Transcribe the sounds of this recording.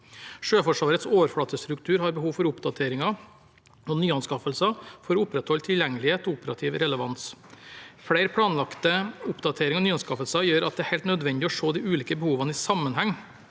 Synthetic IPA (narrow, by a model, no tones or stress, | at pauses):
ʂøːfɔʂʋɑːɾət̪soːʋəɾfɔɭɑt̪ːəst̪ɾʉk̚t̪ʰʉːɾhɑɾbəhuːʋfɔɾʊpd̪ɑt̪ʰeːɾɪŋɑ | ɔnyːɑnskɑfəlsɑfɔɾɔʊpɾɛt̪hɔlt̪ʰɪljɛŋəlɪheːt̪ɔʊpəɾɑ̰t̪ʰiːʋɾɛləʋɑns | fɽæɪɾpʰɽɑːnlɑkt̪əʊpd̪ɑt̪ʰeːɾɪŋɔnyːɑnskɑfəlsɑjøːɾʔɑt̪̚d̪ɛæɾhɛɪlt̪nœd̪ʋɛnd̪ɪɔʂoːd̪ɪʔʉːliːkəbəhuːʋɑnisɑmːənɦɛŋː